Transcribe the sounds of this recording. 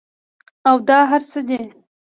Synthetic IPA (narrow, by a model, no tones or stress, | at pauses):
awd̪ɑɦaɾsəd̪e